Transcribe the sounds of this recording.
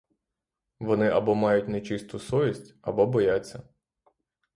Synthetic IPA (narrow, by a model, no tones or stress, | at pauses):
ʋɔnɪʔɐbɔmɑjʊtʲnet͡ʃɪst̪ʊsɔʋʲisʲtʲɐ̰bɔbɔjat͡sʲːɐ